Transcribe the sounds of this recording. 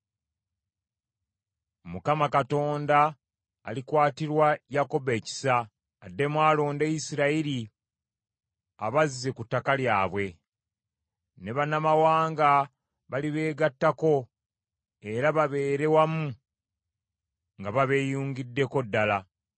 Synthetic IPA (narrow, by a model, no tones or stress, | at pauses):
mukamakato̞ːnda̰ː | likwaːtiɾwajako̞be̞ːci̥saː | dːe̞mwaːlo̞ːndejisiɾaiɾi | aβaziːe̞kutːakaljaːβwe̞ | ne̞βanamawaːŋɡa | βaliβe̞ːɡatːako̞ | e̞ɾaβaβe̞ːɾe̞wamu | ŋɡaβaβe̞ːjuːŋɡidːe̞ko̞dːala